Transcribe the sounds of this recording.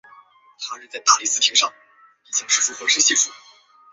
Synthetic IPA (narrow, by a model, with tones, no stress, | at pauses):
t̪ʰa˥ɻ̩˥˧t͡sa˥˩ɪt̪a̰˥˩li˧˩sɹ̩˥˧t̪ʰi˧˥ŋʂɑ˥˩ŋ | i˧˥˩t͡ɕjɑ˥˩ŋʂɻ̩˥˩fu˥xwə˧˥ʂ̩˥ɕɛ˥˩ʈ͡ʂʰu˥˩